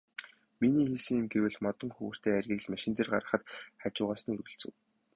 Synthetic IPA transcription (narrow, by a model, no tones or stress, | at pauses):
miniːxesɘ̆ŋɪ̆mɡewɘ̆ɮmɔt̪ɞ̆ŋxɵwɵ̆r̥t̪ʰeːærɣʲiːɣɮmaʃɪ̆nt̪ĕrɢa̰ɾə̆χə̆t̪χat͡ɕʊːʁaːsə̆nɵrɣɘ̆ɬt͡sɘ̆w